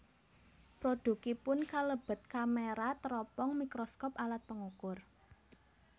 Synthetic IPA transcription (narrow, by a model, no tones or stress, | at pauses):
pɾoɖ̥ṳkipʊnkaləb̥ə̤t̪̚kameɾat̪əɾɔpɔŋmikɾɔskɔpalat̪̚pəŋukʊr